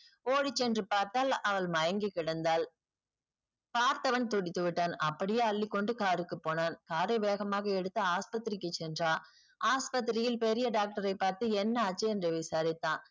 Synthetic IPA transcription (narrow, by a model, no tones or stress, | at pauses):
oːɽɪt͡ʃːɛndrɯpaːɾt̪aːlɐʋɐɭmɐjɐŋɡɯkɪɽɐnd̪aːl | paːɾt̪ɐʋɐnt̪ɔɽɪt̪ːɯʋɪʈːaːnɐpːɐɽɪjeːɐɭːɪkːɔɳɖɯkaːɾɯkːɯpːoːnaːnkaːɾɐʋeːɣɐmaːɣɐɛɽɯt̪ːɐaːspɐt̪ːɪɾɪkːɯt͡ʃːɛndraː | ʔaːspɐt̪̬ːɪɾɪjɪlpɛɾɪjɐɖaːk̚ʈɐɾɐɪpːaːɾt̪ɯɛnːɐːt͡ʃːɐɛndrɯʋɪsaːɾɪt̪ːãː